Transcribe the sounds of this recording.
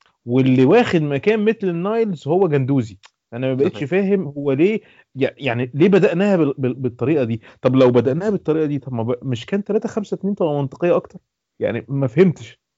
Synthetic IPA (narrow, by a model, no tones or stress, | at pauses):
welːiwæːxed̪mækæːnmet̪lenːɑjelshowːæɡænd̪uːzi | ʔænæmæbæʔet̪ʃfæːɦemhowːæleː | jajaʕnileːbæd̪æʔnæːhæebebet̪ˤːɑɾiːʔɑd̪iːt̪ˤɑblæwbæd̪æʔnæːhæbet̪ˤːɑɾiːʔɑd̪iːt̪ˤɑbmæbæmeʃkæːnt̪ːælæːt̪æxæmsæt̪æmiːnt̪ˤɑlɑmɑnt̪ˤe̥qejːɑʔɑkt̪ɑɾˤ | ja̰ʕnimæfhemt̪e̥ʃ